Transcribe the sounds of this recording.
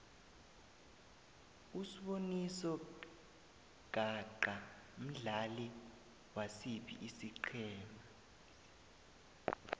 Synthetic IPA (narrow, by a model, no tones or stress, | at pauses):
usiɓonisɔ | ɡ̥ʱaǃa | m̩ɮali | wasiɓḭʔisiǃʰɛːmaa